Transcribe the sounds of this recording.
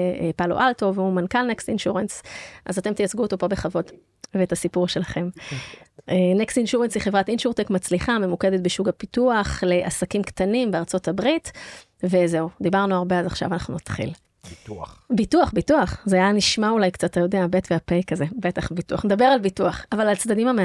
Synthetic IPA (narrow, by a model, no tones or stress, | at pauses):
palo̰ʔaltoveumankalnekstinʃuʁensʔazate̞mt̪ijat͡sɡuot̪o̞po̞be̞χavo̞t | veːthasipuʁʃe̞laχe̞m | enekstinʃuʁensliχevʁatinʃuʁt̪ekmat͡sliχame̞muked̪et̪̚beʃuɡapituaχle̞ʔasakimkt̪animbeaʁt͡so̞tʰabʁit | ve̞ze̞ud̪ibaʁnuaʁbeazaχʃa̰vanaχnunat̪χḭl | bituaχbituaχzeajaniʃmaulajkt͡sattajo̞deabetveapejkazebetaχbituaχned̪abe̞ʁalbituaχavalalt͡sd̪adimame